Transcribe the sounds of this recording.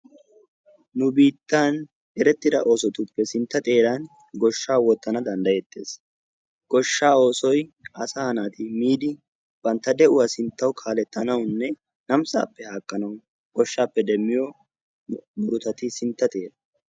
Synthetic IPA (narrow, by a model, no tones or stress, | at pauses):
nʊbiːt̪ːan | ɛɾɛt̪ːɪd̪ɐʔo̞ːsɔt̪ʊpːɛsɪnt̪ːɐt̪ʼe̞ːɾɐn | ɡɔʃːaːwɔt̪ːɐnɐd̪ɐnd̪ɐjɛt̪ʼːe̞̰ːs | ɡ̥ɔʃːaːo̞ːsɔjʔɐsahɐnaːt̪ɪmiːd̪ɪ | b̥ɐnt̪ːɐd̪ɛʔʊwasɪnt̪ːɐwkʰaːlɛt̪ːɐnɐwnːɛ | nɐmsʼa̰ːpːɛhaːkʼːɐnɐw | ɡ̥ɔʃːaːpːɛd̪ɛmːɪjɔ | mʊɾʊt̪ɐt̪ɪsɪnt̪ːɐt̪ʼe̞ːɾɐ